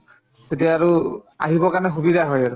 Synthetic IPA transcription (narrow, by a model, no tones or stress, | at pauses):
etijaːɹua̰ɦibɔkaɹnɛxubidʱaɦɔjaɹʊ